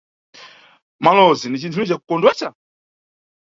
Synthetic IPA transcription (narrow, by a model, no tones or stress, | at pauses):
malɔzinit͡ʃintʰunit͡ʃaku̥kɔndwɛt͡ʃa